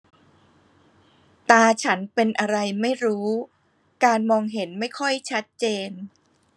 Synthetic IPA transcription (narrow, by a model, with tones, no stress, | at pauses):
t̪aː˧t͡ɕʰa˦˥npe˧nʔa˧ɾa˧jma˥˩jɾuː˦˥ | kaː˧nmɔː˧ŋɦe˩˦nma˥˩jkʰɔ˥˩jt͡ɕʰa˦˥t̪̚t͡ɕeː˧n